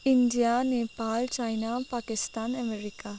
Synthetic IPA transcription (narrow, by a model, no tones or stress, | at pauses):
ɪndijanepaːlt͡ʃaɪnapaːkɪst̪aːnəmeɾika